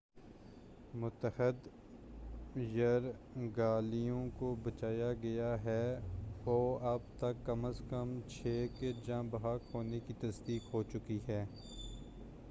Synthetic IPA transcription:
mʊt̪əxɪd̪ | jɐɾɡaːlijõkobɐt͡ʃaːjaɡɐjaɦɛːoːɐbt̪ɐkːɐməskəmt͡ʃʰeːked͡ʒãːbɐɦaːkɦoːnekit̪ɐsd̪iːkɦot͡ʃʊkiɦɛː

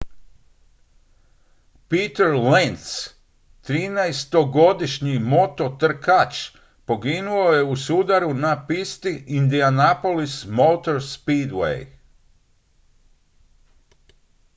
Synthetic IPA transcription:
piːt̪eɾlent̪s | t̪ɾiːnajst̪o̞ɡo̞d̪iʃɲimo̞t̪o̞t̪r̩kat͡ʃ | po̞ɡinuo̞je̞usud̪aɾunapist̪iind̪ianapolismowt̪o̞ɾspiːd̪wḛj

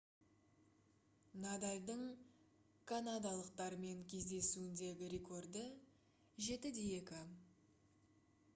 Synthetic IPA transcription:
nad̪alʲd̪əɴ | kʰanad̪alˠəq̚t̪ɑɾəme̞ŋkʲʰe̞zd̪e̞suɪnd̪e̞ɡʲɪɾʲe̞kʰo̞rd̪ə | ʒe̞t̪ɪd̪e̞je̞kʲɪ

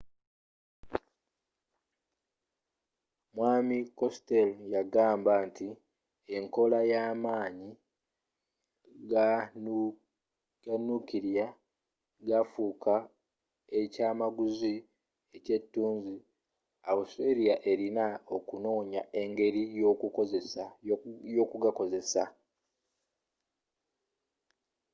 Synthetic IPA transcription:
mwaːmiko̞steljaɡaːmbanti | e̞ŋko̞lajaːmaːɲi | ɡ | ɡanːukiɾja | ɡafuːkʰa | e̞caːmaɡuzi | ece̞tːuːɲzi | awuseɾijaʔe̞ɾinao̞kuno̞ːɲa̰ʔe̞ŋɡe̞ɾijo̞ːkukozesajo̞ːkuɡako̞ze̞sa

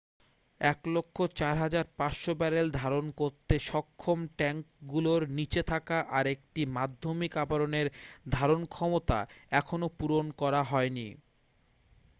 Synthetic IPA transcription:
ɛklokʰːot͡ɕaɾɦad͡ʑaɾpasʃobɛɾeld̪ʱaɾonkoɾt̪eʃɔkʰːomʈɛŋkɡuloɾnit͡ɕet̪ʰakaʔaɾek̚ʈimad̪ʱːomikapaɾoneɾd̪ʱaɾonkʰɔmot̪a̰ɛkʰonopuɾonkɔɾaɦɔeni

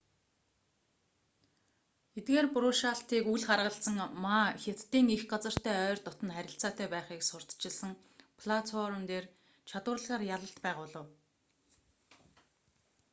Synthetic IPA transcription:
et̪ɡeːrpʊɾʊːʃaːɬt̪iːkuɮχarʁə̆ɬt͡sə̆ŋmaːxʲat̪ːiːŋixɢat͡sə̆r̥t̪ʰæːœːrʲt̪ʊt̪ə̆nχæɾʲɪ̆ɬt͡saːt̪ʰæːpæːχiːksʊr̥t̪t͡ɕɪ̆ɮsə̆ŋ | pʰɮat͡sʰɔɾə̆nt̪eːr | t͡ɕʰat̪ʊːrɮʁaːrjaɮə̆ɬt̪pæːʁʊːɮə̆w

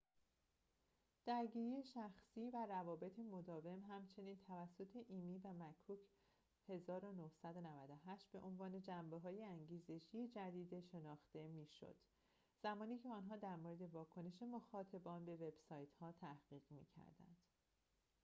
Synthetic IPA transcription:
d̪̥æɾɟiːɾije̞ʃæxsiːværævɒːbe̞t̪ʰemo̞d̪ɒːve̞mɦæmt͡ʃʰe̞niːnt̪ʰævæsːo̞t̪ʰe̞ʔiːmiːvæmækʰuːcʰ | he̞zɒːɾo̞nohsæd̪o̞nævæd̪o̞ɦæʃt̪̚be̞ʔonvɒːne̞d͡ʒæmbe̞ɦɒːje̞æŋɟiːze̞ʃije̞d͡ʒæd̪iːd̪eʃe̞nɒːxt̪e̞miːʃo̰d̪̥ | z̥æmɒːniːcʰe̞ɒːnɦɒːd̪æɾmoɾe̞d̪e̞vɒːkʰo̞ne̞ʃe̞moxɒːt̪ʰebɒːnbe̞ve̞b̥sɒːjt̪hɒːt̪ʰæhɡ̥iːɣ̥mḭːcʰæ̰ɾd̪æ̰nd̪̥

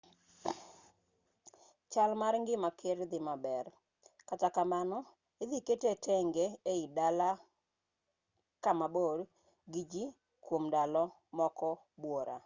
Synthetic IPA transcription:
t͡ʃalmaɾŋɡɪmakʰɪɾd̪ɪmabɛr | katakamanɔ | ed̪iketetʰɛŋɡeeɪdala | kamabod | ɡid͡ʒi | kwomdalɔ | mɔkɔ | bwoɾa̰

